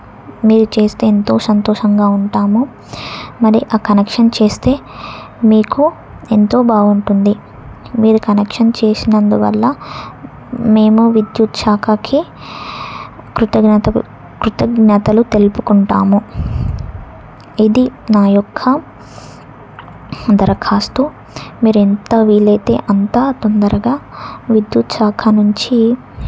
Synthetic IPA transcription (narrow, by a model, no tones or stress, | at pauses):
miːɾut͡ʃe̞ːst̪e̞ːnt̪o̞ːsɐnt̪oːʂɐŋɡaːuɳʈaːmu | mɐɾiʔaːkɐnekʂɐnt͡ʃe̞ːst̪e̞ː | miːku | e̞nt̪o̞ːbaːɡuɳʈund̪i | miːɾukɐnekʂɐnt͡ʃe̞ːsinɐnd̪uʋɐ̰lːɐ | me̞ːmuʋid̪jut̪ʃaːkɐkʰi | kɾut̪ɐɡnɐt̪ɐ | kɾut̪ɐɡnɐt̪ɐlut̪e̞lupukuɳʈaːmu | id̪inaːjɔkʰːɐ | d̪ɐɾɐkʰaːst̪u | miːɾuent̪ɐʋiːlɐjt̪e̞̰ːʔɐnt̪aːt̪ond̪ɐɾɐɡaːʋid̪jut̪ʃaːkʰɐnuɲt͡ʃi